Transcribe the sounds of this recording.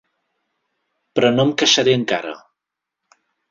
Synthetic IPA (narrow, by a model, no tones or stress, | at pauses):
pɾɔnomkəʃaɾiəŋka̰ɾə̰